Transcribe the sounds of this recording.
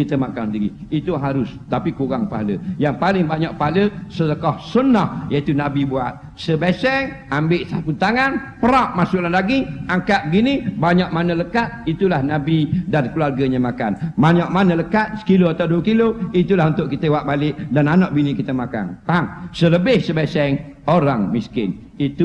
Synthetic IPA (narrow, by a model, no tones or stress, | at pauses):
kit̪əmakaŋsndiɾḭit̪uɦaɾʊst̪apikuɣaŋpa̰ɦalə̰jaŋpalɪŋbaɲaʔpaɦaləsədəkɔhsunɔhjait̪unabibuat̪̚ | səbɛsɛŋ | ambɪʔsapunt̪aŋanpəɾap̚masʊʔlanlaɡiaŋkaʔ̚əɡinibaɲaʔmanələkat̪̚it̪ulahnabidankəluarɡəɲamaka̰nmaɲaʔmanələkat̪̚sə̥kiloat̪awduəkiloit̪ulaɦunt̪ʊʔkit̪əwaʔ̚balɪʔdananaʔ̚binikit̪əmaka̰nt̪aŋsələbɪhsəbɛsɛŋ | oɾaŋmiskɪ̰n | it̪u